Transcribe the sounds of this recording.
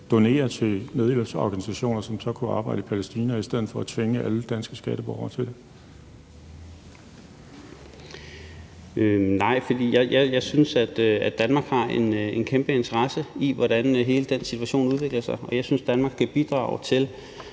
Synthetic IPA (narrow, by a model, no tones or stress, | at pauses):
d̥o̝ne̝̰ːɐt͡sʰe̝neð̞ˠelsəɒ̰ɡ̥ænisæɕo̝̰ːnɐsɒ̽msɒ̽kʰuɑ̈ːb̥ɑ̈ɪɾəpʰælesd̥iːnæisd̥eð̰̩ˠfɒ̽æt͡sʰʋeŋəʔæləd̥ænsɡ̥əsɡ̥æɾ̥əb̥ɒʊ̰ɐt͡sʰe̝d̥e | nɑ̈ɪ̰fɒd̥ḭːjɑɪjɑ̈ɪjɑ̈ɪsynsæd̥æd̥ænmɑ̈ːɡ̥hɑ̈ene̝nkʰemb̥əe̝nt͡sʰɐʁɑ̈səiʋɒɾænɦe̝ːləd̥ensit͡sʰuæɕo̝̰ːnuð̞ˠʋe̝ɡ̥lɐsɑ̈ɪɒ̽jɑ̈ɪsynsd̥ænmɑ̈ːɡ̥kʰæb̥id̥ʁɑ̰̈ːʊt͡sʰe̝l